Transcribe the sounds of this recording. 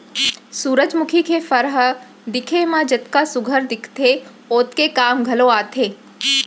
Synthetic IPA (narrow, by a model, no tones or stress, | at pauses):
suːɾəd͡ʒmʊkʰikʰefəɾɦə | d̪ɪkʰemãd͡ʒət̪kasʊɡʱəɾd̪ɪkʰt̪ʰe | oːt̪kekaːmɡʱɐloaːt̪ʰeː